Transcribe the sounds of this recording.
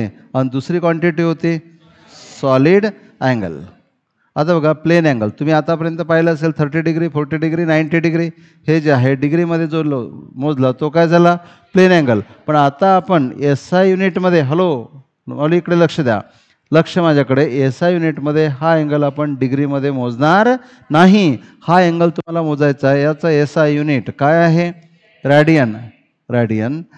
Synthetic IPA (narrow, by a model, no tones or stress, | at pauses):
anid̪usɾiːkʋaɳʈiʈiːɦot̪iː | sɔliːɽ | ɛ̃ŋɡə̰l | at̪abəɡaplenɛ̃ŋɡəlt̪um̤iːat̪apəɾjənt̪əpaɦiləəselt̪ʰəɾʈiːɖiɡɾiːfoɾʈiːɖiɡɾiːnajɳʈiɖiɡɾiː | hed͡ʑaɦeɖiɡɾiməd̪ʱːjed͡zoləmod͡zlat̪okajd͡zʱala | plenɛ̃ŋɡəlpəɳat̪aːpəɳesajuniʈməd̪ʱːjeɦəlo | məlũikɽeləkʂəd̪ja̰ | ləkʂəmad͡ʑʱakəɽeesajuniʈməd̪ʱːjeɦaeŋɡəlapəɳɖiɡɾiməd̪ʱːjem̤od͡znaɾ | naɦihaeŋɡəlt̪um̤alam̤od͡zajt͡saɦejat͡saesajuniʈkajaɦe | ɾaɽijən | ɾaɽijən